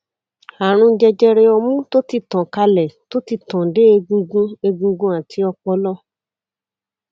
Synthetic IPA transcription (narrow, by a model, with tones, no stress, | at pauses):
a˨ɾ̃ũ˧˦d͡ʒɛ˧d͡ʒɛ˧ɾe˧ɔ˧mũ˦to˦ti˦˨tɔ̃˨ka˧lɛ˨to˦ti˦˨tɔ̃˨de˨˦e˧ɡũ˧ɡũ˦e˧ɡũ˧ɡũ˦a˨tʰi˧ɔ˧k͡pɔ˧lɔ˦